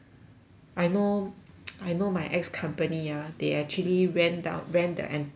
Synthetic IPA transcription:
ʔajno | ajnomajʔɛkskʰãmpəniadeɛk̚t͡ʃuəliɹɛ̃ndã̰nɹɛ̃ndə̰ʔɛ̃n

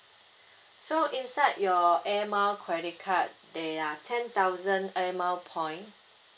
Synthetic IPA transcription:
soʔĩnsaɪdjɔɛmalkʰɹɛɾikʰat̚dɛatʰɛ̃nt̪awzə̃nɛmawpʰɔ̃j̃n

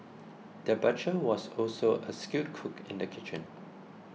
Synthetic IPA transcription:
d̥əbat͡ʃəwɔsɔlsoʔəskjut̚kʰukʰɪ̰̃ndəkʰit͡ʃə̃n

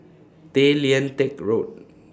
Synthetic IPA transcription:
teliə̃ntekɹot̚

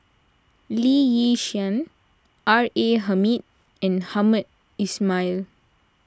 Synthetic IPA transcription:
lijiʃiə̃n | ʔaɹeɦamit̚ | ɛ̃nhamət̚ | ismajl

